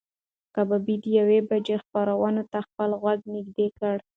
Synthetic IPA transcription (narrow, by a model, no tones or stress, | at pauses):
kababid̪əjawebad͡ʒexpɑɾawɑnot̪axpəlɣwaɡnɪɡd̪ekəɽ